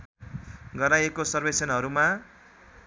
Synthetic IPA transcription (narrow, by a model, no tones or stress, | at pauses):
ɡʌɾajekosʌrbesʌnɦʌɾuma